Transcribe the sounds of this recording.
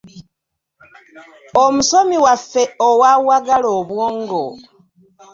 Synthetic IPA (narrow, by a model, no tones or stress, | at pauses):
omuso̞miwafːe̞owawaɡaloːβwoːŋɡo